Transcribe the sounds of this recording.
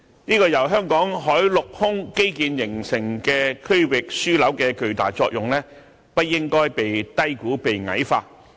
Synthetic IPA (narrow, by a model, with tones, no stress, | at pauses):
niː˥kɔː˧jɐ˨˩wɦœː˥ŋkɔː˨˥ŋɦɔː˨˥jlʊ˨k̚hʊ˥ŋke˥jkiː˨njɪ˨˩ŋsɪ˨˩ŋkɛː˧kʰɵ˥ɥwɪ˨k̚syː˥lɐ˨˥wkɛː˧kɵ˨ɥt̪a̰ː˨jt͡sɔ̰ː˧k̚jʊ˨ŋlɛː˥ | pɐ˥t̚jɪ˥ŋkɔː˥jpe˨jt̪ɐ˥jkuː˨˥pe˨jŋɐ̰˨˥jfa̰ː˧t̚